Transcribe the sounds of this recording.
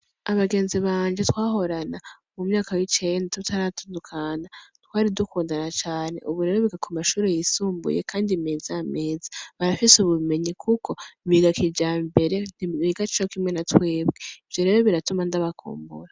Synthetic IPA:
aβaɡe̞ːnziβaːnd͡ʒetwaːɦo̞ɾana | mumɲaːkawit͡ʃe̞ndatutaɾatuːndukʰanatwaːɾidukuːndanat͡ʃaːne̞̰ʔuβuɾe̞ːɾo̞βiɡakʰumaʃuːɾe̞jisuːmbṵjekʰaːndimeːzijameːzi̥βaɾafisuβume̞ɲikʰukʰo̞iβiɡakid͡ʒambe̞ɾe̞niβiɡat͡ʃit͡ʃokimŋe̞natweːbɡeiv̥jo̞ɾe̞ːɾo̞βiɾatumandaβakʰṵːmbṵɾa

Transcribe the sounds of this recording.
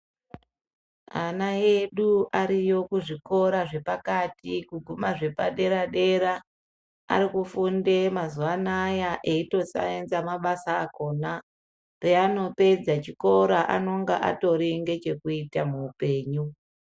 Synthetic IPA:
a̰naje̞ɗuʔaɾijo̞kuʐiko̞ɾaʐe̞pakatikuɡʱumaʐe̞paɗe̞ɾaɗe̞ɾa | a̰ɾikufundemazuanajaʔe̞ito̞sa̰enzamaɓasaːko̞na | reano̞pe̞d͡zat͡ʃiko̞ɾaʔa̰no̞ŋɡaʔa̰to̞ɾiŋɡe̞t͡ʃe̞kuitamuːpe̞ːɲu

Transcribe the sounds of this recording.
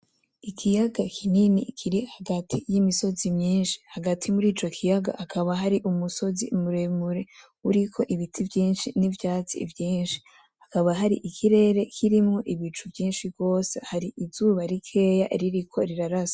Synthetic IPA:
ikʰijaɡakʰininikʰiɾihaɡatʰijimiso̞zimɲiːnʃi̥haɡatʰimuɾiːt͡ʃo̞kʰijaɡa̰ʔakʰaβaɦaɾiʔumuso̞zḭmuɾemuɾe̞ | uɾikʰo̞ʔiβitʰivjiːnʃinivjaːt͡sḭvjiːnʃi̥ | hakaβaɦaɾiʔikʰiɾe̞ːɾe̞kʰiɾimŋo̞ʔiβit͡ʃuvjiːnʃibɡo̞ːsḛhaɾiʔizuːβaɾikʰe̞ːjaʔɾiɾikʰo̞ɾiɾaɾasḁ

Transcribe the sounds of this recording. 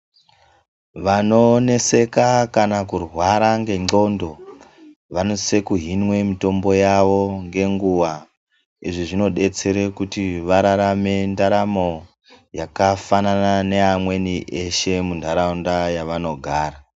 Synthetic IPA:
ʋano̞ne̞se̞kakanakurwaɾaŋɡe̞ŋ͡ǀo̞ndo̞ | ʋanose̞kuɦinwe̞mito̞mbo̞jaʋo̞ŋɡe̞ŋɡuʋa | iʐiʐino̞ɗe̞t͡se̞ɾekutiʋaɾaɾame̞ndaɾamo̞ | jakafananane̞amwe̞niʔe̞ʃe̞mundʱaɾaundajaʋano̞ɡʱaːɾa

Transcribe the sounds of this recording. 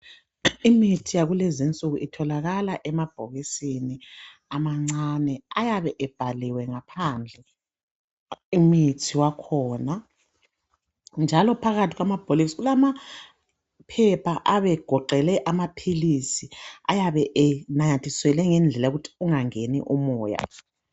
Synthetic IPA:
imitʰijaɣulezint͡sʼuɣuʔitʰɔlaɣalaʔɛmab̥ʱoɣisini | amaŋ͡ǀanɛajaβɛʔɛb̥ʱaliwɛŋapʰand͡ɮʱɛ | umitʰiwakʰɔːna | nd͡ʒʱalɔpʰaɣatʰiɣwamab̥ʱoliksɣulama | pʰɛpʰaʔaβɛɡ̥ʱɔǃɛlɛʔamapʰilisia̰jaβɛʔɛnajatʰʼiswɛlɛŋɛnd͡ɮʱɛlauɣutʰi̥uŋaŋenḭʔumɔːja̰

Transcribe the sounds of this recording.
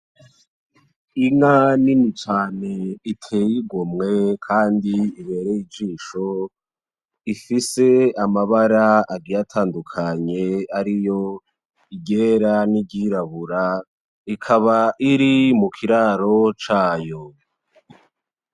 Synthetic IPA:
iŋaninit͡ʃaːne̞itʰejiɡomŋe̞kʰaːndiːβe̞ːɾejid͡ʒiːʃo̞ | ifise̞amaβaɾaaɡijatʰaːndukʰaɲe̞aɾijo̞ | iɟeɾaniɟiɾaβuɾa | ikʰaβaʔiɾimukʰiɾaːɾo̞t͡ʃaːjo̞

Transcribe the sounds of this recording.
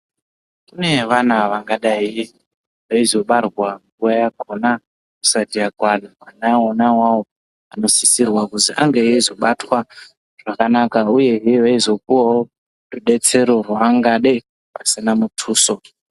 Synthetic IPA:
kuneʋanaʋaŋɡaɗai | ʋaizo̞ɓarwaŋɡuwajakʰo̞na | ku̥satiaɡʱwanuanaonawawo | ano̞sisirwakuziʔa̰ŋɡeizo̞ɓatwa | ʐ̥akanakauje̞ɦiʋaizo̞k̚uwaɦo | ɗuɗe̞t͡se̞ɾo̞rwaːŋɡaɗe | pasinamutʰuːso̞

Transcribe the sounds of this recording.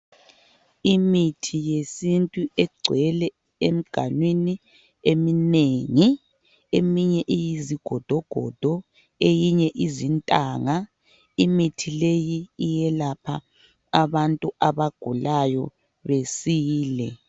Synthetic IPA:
imitʰijesintʼuɛɡ͡ǀʱwɛlɛ | em̩ɡ̥ʱa̰nwini | emineŋi | emiɲɛʔijiziɡ̥ʱɔd̥ʱɔɡ̥ʱɔ̰d̥ʱɔ | ejiɲɛʔizintʼaːŋa | imitʰilejiːjɛlapʰaː | βantʼuaβaɡ̥ʱulajɔ̰ | βesiːlɛ̰

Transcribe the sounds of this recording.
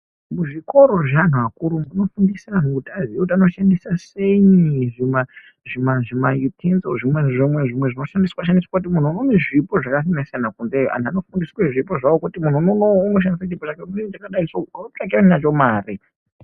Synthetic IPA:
muʐiko̞ɾo̞ʐan̤uakuɾumuno̞fundisanukutaziekut̬ano̞ʃandisaseiʐima | ʐimaʐimajutʰinzoʐimweʐimweʐimwe̞ʐino̞ʃandiswaʃ̬andiswakut̬imun̤uunoneʐipo̞ʐakas̬inasijanakunzejʔa̰nano̞fundisweʐipoʐawokutimun̤unonomuʃ̬anisaipot͡ʃakeit͡ʃakaɗaisot͡ʂakianinat͡ʃo̞maːri

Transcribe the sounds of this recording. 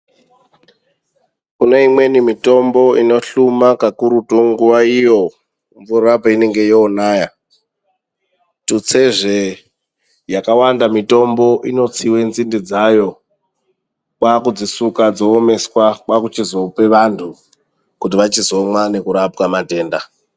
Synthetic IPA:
kune̞imwe̞nimito̞mbo̞ino̞ɬumakakuɾutoŋɡuʋaijo̞ | ɱvurapaine̞ŋɡe̞joːnaːja | tut͡se̞ʐe | jakawandamito̞mbo̞ʔino̞t͡siwe̞nzindid͡zajo̞ | kwakud͡zisukad͡zo̞ːme̞swakwakut͡ʃizo̞pe̞ʋantʰu | kutiʋat͡ʃizo̞mwane̞kuɾapkamate̞ːnda

